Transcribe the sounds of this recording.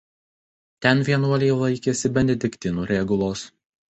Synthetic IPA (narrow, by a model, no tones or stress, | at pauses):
t̪ʲɛnʋʲiɛnuɔlʲejlˠɐɪkʲeːsʲɪbʲɛnʲɛd̪ʲɪkʲt̪ʲɪnuːɾʲɛɡʊlˠoːs